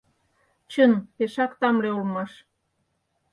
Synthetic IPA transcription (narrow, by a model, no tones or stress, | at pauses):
t͡ɕənpeʃɑkt̪ɑmleulmɑʃ